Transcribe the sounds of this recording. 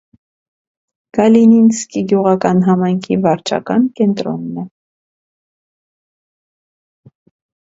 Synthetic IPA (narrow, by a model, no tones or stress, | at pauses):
ɡ̥ɑlininskiɡjuʁɑkɑnɦɑmɑjŋkʰivɑɾt͡ʃʰɑ̰kɑnkɛnt̪ɾɔnːɛ